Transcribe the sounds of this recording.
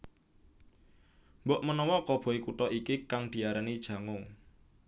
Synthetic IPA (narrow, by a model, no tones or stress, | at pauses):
mbɔʔmənɔwɔkɔb̥ɔ̤ikuʈ̪ɔʔikikaŋd̪̥i̤aɾanid̥ʒ̥ä̤ŋo